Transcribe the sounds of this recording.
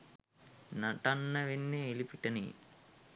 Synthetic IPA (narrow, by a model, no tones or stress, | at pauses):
naʈanːəʋenːeːlipiʈənḛ